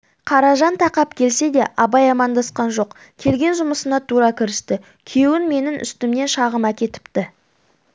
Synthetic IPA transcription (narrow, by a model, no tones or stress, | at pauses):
qʰɑɾɑʒɑnt̪ʰɑqɑpkʲʰe̞lse̞d̪e̞ʔɑbɑjɑmɑnd̪ɑsqɑnʒo̞q | kʲʰe̞lɡʲe̞nʒʊməsənɑt̪ʰuɾɑkʲʰɪɾɪst̪ɪ | kʲʰewɪnme̞nɪnʔʏ̰st̪ɪmne̞nʃɑʁəmækʲe̞t̪ɪ̥pt̪ɪ